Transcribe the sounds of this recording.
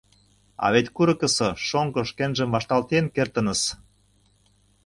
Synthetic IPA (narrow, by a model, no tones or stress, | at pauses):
ɑ̰βet̪ʲkuɾɤ̆kə̆sɤ̆ʃoŋkɤ̆ʃkenʒə̆mvɑʃt̪ɑlt̪enkert̪ə̆nə̆s